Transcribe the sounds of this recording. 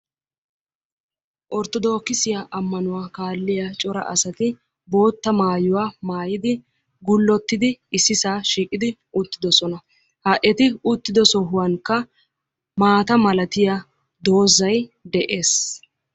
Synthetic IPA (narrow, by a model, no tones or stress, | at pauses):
ʔɔɾt̪ɔd̪o̞ːkːɪsɪjaʔɐmːɐnʊwaːkaːlːɪjat͡ʃʼɔɾɐ̰ʔɐsɐt̪ɪ | bo̞ːt̪ːɐmaːjʊwaːmaːjɪd̪ɪ | ɡʊlːɔt̪ːɪd̪ɪɪsːɪsaːʃiːkʼɪd̪ɪ | ʊt̪ːɪd̪ɔsɔnɐ | hɐʔɛt̪ɪʊt̪ːɪd̪ɔsɔɦʊwɐŋkːɐ | maːt̪ɐmɐlɐt̪ɪja | d̪o̞ːzɐjd̪ɛʔe̞ːs